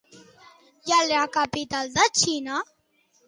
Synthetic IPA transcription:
jalɾakapit̪ald̪at͡ɕʰina

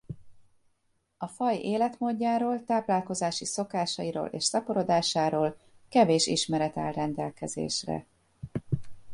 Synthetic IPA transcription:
ɒfɒjeːlɛt̪moːɟːaːɾoːlt̪aːplaːlko̞zaːʃiso̞kaːʃɒiɾo̰ːlʔḛːʃsɒpoɾo̞d̪aːʃaːɾoːlkɛveːʃḭʃmɛɾɛt̪ɛ̰lrɛnd̪ɛlkɛzḛːʃrɛ̰

